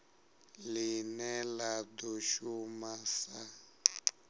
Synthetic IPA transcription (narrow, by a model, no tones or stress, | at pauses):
linɛlad̪ɔʃumasa